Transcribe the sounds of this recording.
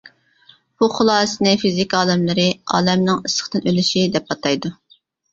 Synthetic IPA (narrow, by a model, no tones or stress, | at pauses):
b̥uχʊlˠɑːsɨnɪfizikʲɑːlˠɪmlɨɾɪɑ̰ːlɛmnɪŋɨsə̥χt̪ɨnølyʃid̪ɛp̚ɑt̪ʰɑjd̪u